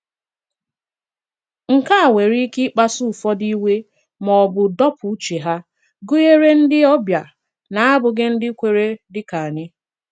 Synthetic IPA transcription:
ŋ̩˨ka˦a˨we˨ɾi˦kɪ˦k͡pa˦su˦˨fɔ˦di˦we˦ | mɔ˨bʊ˨dɔ˦pʊ˨˦t͡ʃe˨ɦa˦ | ɡʊ˦je˦ɾe˦n̩˦dɪ˦ɔ˦bja˨ | na˨a˦bʊ˨ɡɪ˦n̩˦dɪ˦kʷe˨ɾe˦dɪ˦ka˨ɲɪ˦

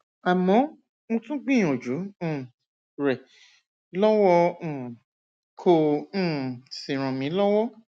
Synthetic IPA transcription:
a˨mɔ̃˨˦ | mõ˧tũ˦k͡pĩ˦˨j̃ɔ̃˨d͡ʒũ˨˦˨ | ɾɛ˨ | lɔ˦wɔ̃˧˦˨ | kʰõ˧˦˨ | sĩ˨ɾ̃ɔ̃˨mĩ˨˦lɔ˦wɔ˦

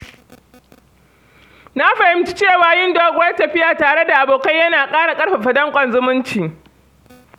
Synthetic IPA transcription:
na˦ɸɐ˨hɪ˦mt͡ʃi̥˦t͡ʃeː˦˨waː˨jɪ˦ndoː˦ɡʷʊ˦wɐ˦rtɐ˨ɸɪ˦jaː˨taː˨ɽe˦da˨ʔa˨boː˨ka˦jjɐ˦naː˨kʼaː˦ɽa˨kʼɐ˦ɽɸa˨ɸɐ˨dɐ˦ŋkʷʼɐ˨nzʊ˦mʊ˦nt͡ʃiː˨

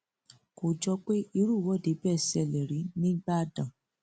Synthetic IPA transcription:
ko˨d͡ʒɔ˧k͡pe˦i˧˦ɾu˦˨wɔ˨˦˨de˨˦bɛː˦˨sɛ˧˨lɛ˨ɾi˨˦nĩ˦ɡ͡ba˦dã˨

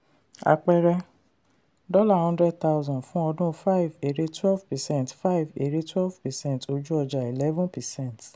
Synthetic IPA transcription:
a̰˧k͡pɛ˦˧ɾɛ˧ | dɔ˦la˦˨hɔ̃˦ndɾɛ˦d̚ta˦wzɔ̃˨fũ˦ɔ˧dũ˦fa˦i˨ve˨ɾe˦twɛ˦lvpɛ˨sɛ̃˦˨tfa˦i˨ve˨ɾi˦twɛ˦lvpɛ˨sɛ̃˦nto˧d͡ʒu˦ɔ˧d͡ʒa˨i˨lɛ˦vũ˦pɛ˨sɛ̃˦˨nt

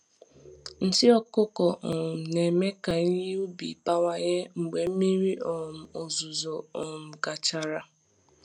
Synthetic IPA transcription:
n̩˨sɪ˦ɔ˦kʊ˦kɔ˨ʔɔ˨ne˨me˦ka˨i˦ɦi˦u˦bi˨pa˦wa˦ɲe˦ŋ͡m̩˨ɡ͡be˨m̩˦mi˦ɾi˦ʔɔ˨m̩˨o˨zu˨zo˨ɔ˨m̩˨ɡa˨t͡ʃa˨ɾa˦

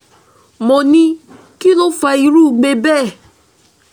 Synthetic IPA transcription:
mo˨nĩ˧ | ki˦lo˦fa˧i˧˦ɾu˦˨ɡ͡be˧bɛː˦˨

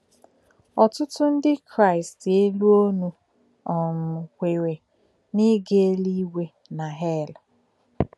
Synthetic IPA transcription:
ɔ˨tʊ˦tʊ˦n̩˦dɪ˦kɾa˦˨ɪ˨ste˦lu˦o˦nu˦ | ɔ˨mʊ˨kʷe˨ɾe˨ | ni˦ɡe˦li˦we˦ | na˨ɦɛ˦˨la˨

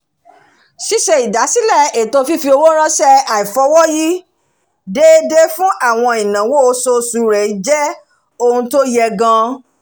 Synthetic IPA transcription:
si˦ʃɛ˧i˨da˨˦si˦lɛ˦˨e˨to˧fi˦fi˧o˧wo˦ɾ̃ã˦ʃɛ˦a˨i˨fɔ˨˧˦wɔ˦ji˦ | de˦de˦fũ˦ʔa˦˨w̃ɔ̃˧i˨nã˨wo˦o˧so˧su˧i˨ɾɛ˨i˨˦d͡ʒɛ˦ | o˧hũ˧to˦jɛ˧ɡã˧

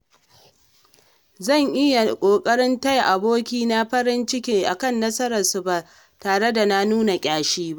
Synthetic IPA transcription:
zɐ˦˨ŋʔɪ˦ja˨kʷʼoː˨kʼɐ˦ɽɪ˦nta˦jʔa˨boː˦kʲiː˦na˦ɸɐ˦ɽɪ˦nt͡ʃɪ˦kʲeː˦ʔa˨kɐ˦˨nːɐ˦sɐ˦ɾɐ˨rsu˨baː˨ | taː˨ɽe˦da˨na˦nuː˦na˨kʲʼaː˦ʃiː˦ba˦ʔ

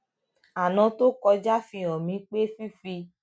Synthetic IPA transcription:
a˨nã˨˧to˦kɔ˧d͡ʒa˦fĩ˧ɔ̃˨mĩ˨˦k͡pe˦fi˦fi˧

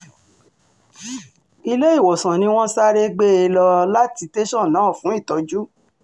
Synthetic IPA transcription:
i˧le˦i˦˨wɔ˨sã˨nĩ˧˦w̃ɔ̃˦sa˦ɾe˦ɡ͡be˦e˧lɔ˧la˦ti˧te˦ʃɔ̃˦˨nãː˨˦˨fũ˨˦i˦˨tɔ˨˦d͡ʒu˦

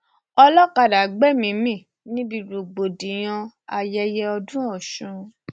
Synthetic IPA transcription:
ɔ˧lɔ˦ka˨da˨ɡ͡bɛ˦mĩ˨˦mĩ˦˨ | nĩ˦bi˧˨ɾu˨ɡ͡bo˨dĩ˨j̃ɔ̃˧ | a˨jɛ˧jɛ˧ɔ˧dũ˦ɔ˦˨ʃũ˨˧˦

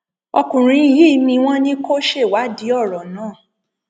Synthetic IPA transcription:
ɔ˧kũ˨ɾ̃ĩ˨˧˨ji˦mĩ˧w̃ɔ̃˦nĩ˦ko˦ʃe˦˨wa˨˦di˨˦ɔ˦˨ɾɔ˨nãː˦˨

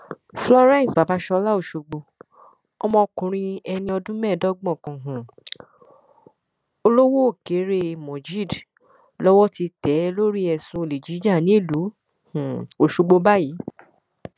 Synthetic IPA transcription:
flɔ˧ɾɛ̃˦˨sba˨˦ba˦ʃɔ˧la˦o˦˨ʃo˧ɡ͡bo˧ | ɔ˧mɔ̃˧o˧kũ˨ɾ̃ĩ˧ɛ˧nĩ˧ɔ˧dũ˦mɛ̃ː˦˨dɔ˦ɡ͡bɔ̃˦˨kã˧˨ɦũ˨ | o˧lo˦wo˦˨ke˨˦ɾe˦mɔ̃˨d͡ʒi˦˨d | lɔ˦wɔ˦ti˧tɛ˨˦lo˦ɾi˦ɛ˧˨sũ˧˨le˨d͡ʒi˨˦d͡ʒa˦˨nĩ˦i˦˨lu˨˦ | h̩˨o˨ʃu˧ɡ͡bo˧ba˦ji˨˦

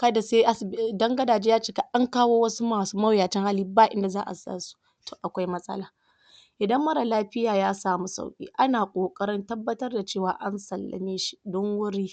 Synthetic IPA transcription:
kɐ˦da˨se˦ʔa˦sbdɐ˦ŋɡɐ˦daː˨d͡ʒeː˦jaː˦t͡ʃeː˦ka˦ʔa˦ŋkaː˦woː˦wɐ˦su˦maː˨suː˦mɐ˦wjaː˨t͡ʃɪ˦ŋhaː˦liː˦˨˦baː˦ʔɪ˦nda˨zaː˦ʔa̰˨sa̰ː˦su̥˦ | toː˨ʔa˨kʷa˦jmɐ˦sʼɐ̰˦laː˦ | ʔɪ˨dɐ˦mːɐ˦ɾa˨laː˦ɸɪ˦jaː˨jaː˦saː˨mu˦sa̰˨wkʲʼḭː˦ʔa˦naː˨kʷʼoː˨kʼɐ˦ɾɪ˦ntɐ˦bːɐ˦tɐ˦rda˨t͡ʃeː˦˨waː˨ʔa˦nsɐ˨lːa̰˨meː˦ʃi̥˦dɔ˦ŋwʊ˦ɽiː˦

